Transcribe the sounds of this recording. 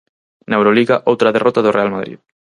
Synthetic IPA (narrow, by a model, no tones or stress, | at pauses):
naewɾoliɣaʔowt̪ɾaðerɔt̪aðorealmaðɾḭð